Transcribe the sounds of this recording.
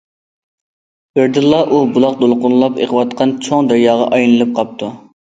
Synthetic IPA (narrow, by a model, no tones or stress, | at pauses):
b̥ɪɾd̪ɨlˠːɑʔubulˠɑq̚d̪olˠqʊnlˠɑpḛqwɑt̪qʰɑnt͡ʃʰoŋd̪æɾjɑːʁɑ̰ʔɑjnɨlˠɨp̚qʰɑp̚t̪ʰu